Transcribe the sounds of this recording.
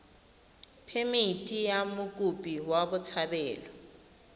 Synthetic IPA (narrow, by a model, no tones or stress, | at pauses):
pʰemiitʼijamʊkʼupʼiwabʊt͡sʰabɛːlɔ